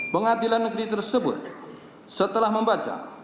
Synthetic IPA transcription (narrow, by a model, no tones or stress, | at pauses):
pəŋad̪ilanːəɡɾit̪ərsəbʊ̰t̪̚ | sət̪əlahməmbat͡ʃa̰